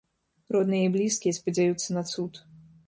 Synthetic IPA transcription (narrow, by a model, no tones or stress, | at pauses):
rɔd̪nɨjɐiblʲiskʲijɛspɐd͡zʲajut̪sːɐnat̪sut̪